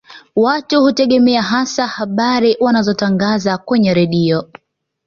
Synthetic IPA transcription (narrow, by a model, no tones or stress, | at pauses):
watuhutɛɠɛmɛaɦasahaɓaɾiwanazɔtaŋɡazakwɛɲɛɾɛɗiɔ